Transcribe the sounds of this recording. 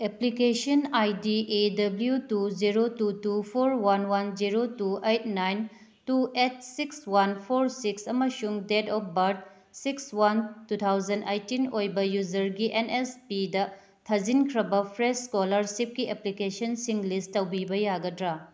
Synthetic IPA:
eplikesɐnajdiʔedɐbljutud͡ʒiɾotutupʰoɾwanwand͡ʒiɾotuejt̚ʰnajn | tuet̚sikswanpʰoɾsiksɐmɐsuŋdedɔp̚ʰbɐɾd̚ | sikswantut̪ʰawzɐndejtinojbɐjuzɐɾɡiʔenespidɐ | tʰɐzinkʰɾɐbɐpʰɾesskolɐɾsip̚kieplikesɐnsiŋlisttːɐwbibɐjaɡɐdɾa

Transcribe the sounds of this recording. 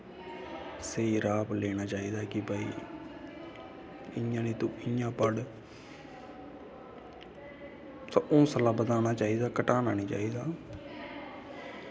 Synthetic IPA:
seːiɾaːpleːnaːt͡ʃaːiːd̪aːkɪbaːḭː | ɪjãːniːt̪õːɪjãːpəɽ | sʔõːsəlaːbəd̪aːnaːt͡ʃaːiːd̪aːkəʈaːnaːniːt͡ʃa̰ːiːd̪aː

